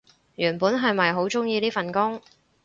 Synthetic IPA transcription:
jyː˨˩npuː˨˥nɦɐ˨jmɐ˨jɦo˨˥wt͡sʊ˥ŋjiː˧liː˥fɐ˨nkʊ˥ŋ

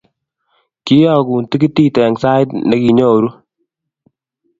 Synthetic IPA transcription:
ki˦jɔ˦˨kuː˨nti˦ki˦ti˦tɛ˨ŋsa˦ɪ˦tnɛ˦ki˨ɲo˦˨ɾu˦

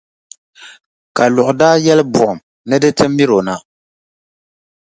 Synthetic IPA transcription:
ka˨lʊ˨ʔʊ˨daː˦jɛ˦lɨ˦bʊ˨ʔʊ˨m | nɨ˦dɨ˦tɨ˦mːi˦ɾo˨na˦

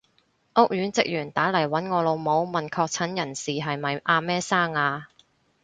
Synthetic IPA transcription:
ʔʊ˥k̚jyː˨˥nt͡sɪ˨k̚jyː˨˩nt̪aː˨˥lɐ˨˩jwɐ˨˥nŋɔː˨˧lo˨˧wmo˨˧wmɐ˨˩nkʰɔː˧k̚t͡sʰɐ˨˥njɐ˨˩nsiː˨ɦɐ˨jmɐ˨˩jʔaː˧mɛː˥saː˥ŋaː˧

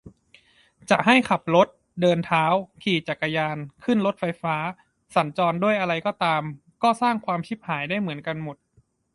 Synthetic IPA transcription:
t͡ɕa˨˩ʔɦa˥˩jkʰa˨˩p̚lo˦˥t̪̚ | dɤː˧nt̪ʰaː˦˥wkʰiː˨˩t͡ɕa˨˩kːa˧jaː˧nkʰɯ˥˩nlo˦˥t̪̚fa˧jfaː˦˥ | sa˩˦nt͡ɕɔː˧ndu˥˩əjʔa˧ɾa˧jkɔː˥˩t̪aː˧m | kɔː˥˩saː˥˩ŋkʰwaː˧mkʰi˦˥p̚haː˩˦jdaː˥˩jmɯ˩˦ənka˧nmo˨˩t̪̚

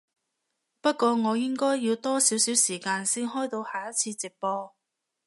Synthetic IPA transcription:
pɐ˥t̚kʷɔː˧ŋɔː˨˧jɪ˥ŋkɔː˥jːiː˨˧wt̪ɔː˥siː˨˥wsiː˨˥wsiː˨˩kaː˧nsiː˥nhɔː˥jt̪o˧whaː˨˩jɐ˥t̚t͡sʰiː˧t͡siː˨˩k̚pɔː˧

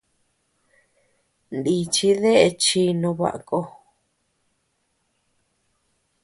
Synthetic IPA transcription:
nd̪i˧t͡ʃi˧˦ðe˦ʔe˧t͡ʃi˧nũ˧βa̰˨ʔa˨ko˧

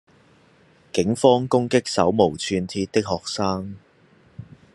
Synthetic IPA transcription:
kɪ˨˥ŋfɔː˥ŋkʊ˥ŋkɪ˥k̚sɐ̰˨˥wmo˨˩wt͡sʰyː˧nt̪ʰiː˧t̚t̪ːɪ˥k̚hɔː˨k̚saː˥ŋ

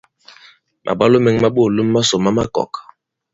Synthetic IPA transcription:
mʔa̰˨ɓa˦lo˦me˨˦ŋ˦ma˦ɓo˦˨lu˦mː˦a˦so˨ma˦ma˦kɔ̰˨k

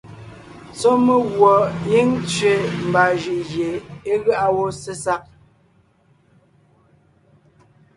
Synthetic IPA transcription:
t͡sɔ˦mə˦ɣwɔ˨i˦ŋt͡sɥe˨m̩˨ba˨ʒi˨ʔɣje˨e˦ɣa˦ʔa˦wo˦se˦sa˦k̚

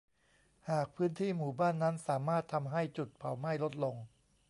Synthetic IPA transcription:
haː˨˩k̚pʰɯː˦˥nt̪ʰiː˥˩muː˨˩baː˥˩nːa˦˥nsaː˩˦maː˥˩t̪ʰːa˧mɦa˥˩jt͡ɕu˨˩t̪̚pʰa˨˩˦wma˥˩jlo˦˥t̪̚lo˧ŋ

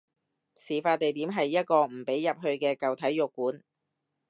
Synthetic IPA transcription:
siː˨˩faː˧t̚t̪e˨jt̪iː˨˥mɦɐ˨jːɐ˥t̚kɔː˧m̩˨˩pe˨˥jːɐ˨p̚ɦɵ˧ɥkɛː˧kɐ˨wt̪ʰɐ˨˥jjʊ˨˩kːuː˨˥n

